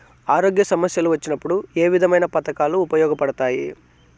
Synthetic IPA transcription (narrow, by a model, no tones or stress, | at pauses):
aːɾoːɡjɐsɐmɐsjɐluʋɐt͡ʃːinɐpːuɽue̞ːʋid̪ʱɐmɐjnɐpɐt̪ɐkaːluːpɐjɔːɡɐpɐɽɐt̪aːjḭ